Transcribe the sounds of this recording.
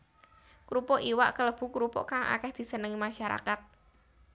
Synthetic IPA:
kɾupɔʔiwa̰ʔkələb̥ṳkɾupɔ̰ʔkaŋʔa̰kɛhd̪̥i̤sənəŋimaʃaɾa̰kat̪̚

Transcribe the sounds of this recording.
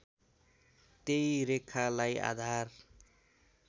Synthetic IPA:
t̪ejɾekʰːalaja̰d̪ʱar

